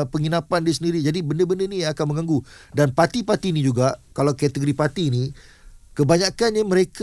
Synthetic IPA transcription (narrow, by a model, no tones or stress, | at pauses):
pəŋinãpandis̬əndiɾid͡ʒadibəndəbəndəniakanməŋãŋɡudanpat̪ipat̪inĩd͡ʒuɡaʔkalawkat̪əɡoɾipat̪inĩ | kəbaɲakanɲamə̃ɾekʰ